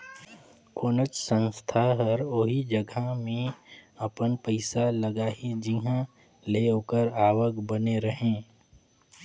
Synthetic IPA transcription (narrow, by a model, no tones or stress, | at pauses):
koːnət͡ʃsə̃nst̪ʰaɦəɾoɦid͡ʒəɡʱamẽɐpənpəɪsaləɡaːid͡ʒiɦã | leokəɾaːʋəkbəneɾəɦẽː